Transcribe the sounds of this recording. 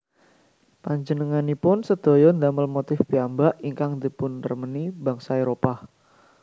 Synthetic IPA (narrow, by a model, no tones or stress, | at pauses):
paɲd͡ʒənəŋanipʊnsəd̪̥o̤jɔnd̪aməlmot̪ɪfbiambaʔiŋkaŋd̪ipʊnt̪ərməniba̤ŋsaeɾopa